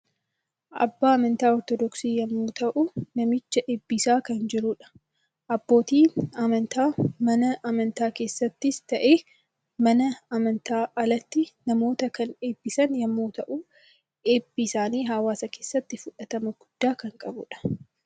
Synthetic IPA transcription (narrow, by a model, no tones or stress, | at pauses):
ʔɐ̰bːaːɐmɐnt̪aːɔɾt̪ɔd̪ɔksiːjɐmːuːt̪ɐʔʊnɐmɪt͡ʃːɐʔeːbːɪsaːkɐnd͡ʒɪɾuᶑɐ̥ | ʔɐbːo̞ːt̪iːɐmɐnt̪aːmɐnɐʔɐmɐnt̪aːke̞ːsːɐt̪ːɪst̪ɐʔe̞ː | mɐnɐɐmɐnt̪aːʔɐlɐt̪ːɪnɐmo̞ːt̪ɐkɐne̞ːbːɪsɐnjɐmːuːt̪ɐʔuː | eːbːisaːniːɦaːwaːsɐke̞ːsːɐt̪ːɪfʊᶑɐt̪ɐmɐɡ̥ʊd̪̥ːaːkɐŋkʼɐbʊ̰ᶑɐ̥